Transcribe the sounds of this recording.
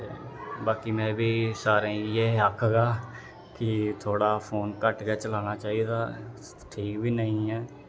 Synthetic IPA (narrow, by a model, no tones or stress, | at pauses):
eːbaːkiːmɛ̃ːbiːsaːɾẽːjeːəkʰɡaː | kɪt̪ʰoːɽaːpʰoːnkəʈkɛːt͡ʃəlaːnaːt͡ʃaːiːd̪aː | ʈʰiːkbiːnəĩːɦɛː